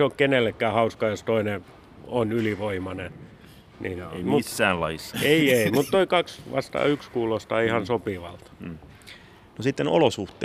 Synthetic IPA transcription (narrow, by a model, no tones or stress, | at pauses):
seokkenelːekːæːhɑuskɑjost̪oine | onyliʋoimɑne | nḭnmuːæːnlɑisːɑeieimmut̪t̪oikɑksʋɑ̰st̪ɑ̰ːykskuːlost̪ɑːihɑnsopiʋɑlt̪ | nosit̪ːeno̰losuht̪ˑe